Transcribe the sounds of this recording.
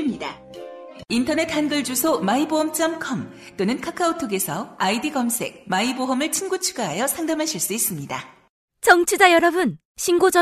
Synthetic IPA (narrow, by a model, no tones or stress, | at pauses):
mɲida | intʰʌne̞t̚ʰːanɡɯɭd͡ʑusʰomaiboɦʌmt͡ɕ͈ʌmkʰʌm | t͈onɯnkʰakʰaotʰoɡe̞sʰʌaidiɡʌmsʰe̞̰k̚maiboɦʌmɯɭt͡ɕʰinɡut͡ɕʰuɡaɦajʌsʰaŋdamɦaɕʰiɭs͈uis͈ɯmɲida̰ | t͡ɕʌŋt͡ɕʰid͡ʑajʌɾʌbun | ɕʰinɡod͡ʑʌ